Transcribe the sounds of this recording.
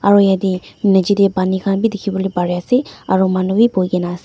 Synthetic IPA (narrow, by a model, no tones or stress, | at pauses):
aɾojadinad͡ʒidebanikʰanbidikʰibɔlibaɾijaseaɾomanubibojɡenase